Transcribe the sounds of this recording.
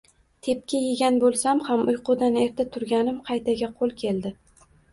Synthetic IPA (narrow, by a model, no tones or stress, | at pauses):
t̪ʰe̞p̚kʲʰɪjɪɡʲanbolˠsamhamʊjqʰʊd̪ane̞ɾt̪ʰat̪ʰʊɾɡʲanɪmqʰɑjt̪ʰaɡʲaqʰolˠkʲʰe̞ld̪ɪ